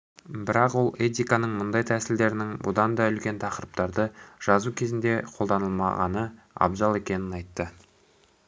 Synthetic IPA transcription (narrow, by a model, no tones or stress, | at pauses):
bɪɾɑqwo̞lˠet̪̬ʲijkanəɴmʊnd̪ɑjt̪ʰæsɪld̪e̞ɾɪnɪŋbʊd̪ɑnd̪ɑʏlkʲe̞nt̪ʰɑqəɾəp̚t̪ɑɾd̪əʒ̥ɑzukʲʰe̞zɪnd̪e̞qʰo̞lˠd̪ɑnəlˠmɑ̰ʁɑ̰nə | ɑ̰bzɑlˠe̞kʲe̞nɪnɑjt̪ːə